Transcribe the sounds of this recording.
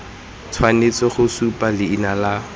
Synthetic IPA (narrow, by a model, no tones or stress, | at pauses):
t͡sʰwanet͡sɔχʊsupalɪinala